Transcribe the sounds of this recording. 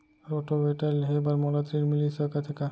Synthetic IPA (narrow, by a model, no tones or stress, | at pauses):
ɾɔʈobeʈalɦebaɾmɔlat̪ɾiɾmilisɔkat̪ʰɛka